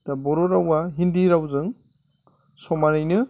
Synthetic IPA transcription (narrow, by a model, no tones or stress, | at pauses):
d̥abɔɾoɾawaɦindiɾawzɯŋ | sɔmanɯjnɯ